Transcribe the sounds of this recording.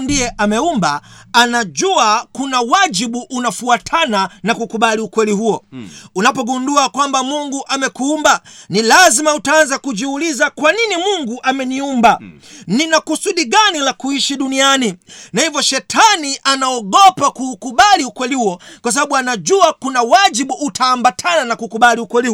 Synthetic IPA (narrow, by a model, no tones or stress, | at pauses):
ndijɛʔamɛumbaː | naʄuakunawad͡ʒiɓuʔunafuatʰananakukuɓaliukwɛlihuɔunapɔɡunduakwambamuŋɡuʔamɛkuumbanilazimautaanzakuʄiulizakwaninimuŋɡuʔamɛniumba | ninakusuɗiɡanilakuiʃiɗunianinahivjɔʃɛtʰaniʔanaɔɡɔpakuːkuɓaliukwɛlihuɔkwas̬aɓaɓuanaʄuakunawad͡ʒiɓuʔːtʰaːmbatʰananakukuɓaliukwɛli